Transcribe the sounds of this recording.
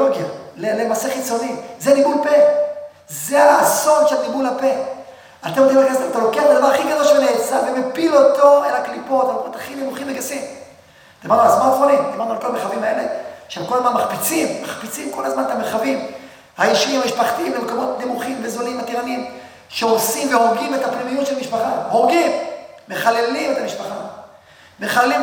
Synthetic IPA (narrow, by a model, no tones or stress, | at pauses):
oɡjalelemaseχit͡so̞nizenibulpe̞ | zeaːzo̞nʃelnimulape̞ | atemod̪imaleɡesimat̪alo̞keaχbed̪avaʁaχiɡado̞lʃeleːt͡savemepilo̞t̪o̞elaklipo̞t̪alomot̪aχinemuχimveɡasim | d̪imaʁdnualzmoatonimd̪imaʁdnualko̞lameχavimhae̞leʃeemkolazmanmaχpit͡simːaχpit͡simko̞lazmanet̪ameχavim | haiʃimhamiʃpaχt̪iimlemekomo̞t̪nemuχimvezolimat̪iʁaniim | ʃeosimveoʁɡimet̪apnimijut̪ʃelmiʃpaχahoʁɡimːeχale̞limet̪amiʃpaχa | me̞χaleli